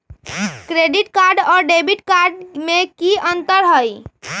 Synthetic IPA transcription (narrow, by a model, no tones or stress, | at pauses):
kɾeɖiʈkaɾɖɔːɾɖebiʈkaɾɖmekiənt̪əɾɦəj